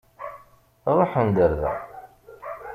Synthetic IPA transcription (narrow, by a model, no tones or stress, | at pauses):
ðˤoħənd̪əɾðæ̰